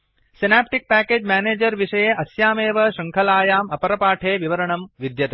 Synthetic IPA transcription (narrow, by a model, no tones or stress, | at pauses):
sinaːp̚ʈik̚pæːkeːd͡ʒmæːneːd͡ʒɐɾʋiʂɐjeʔɐsjaːmeːʋɐʃɐŋkʰɐlaːjaːmɐpɐɾɐpaːʈʰeːʋiʋɐɾɐɳɐmʋid̪jɐt̪e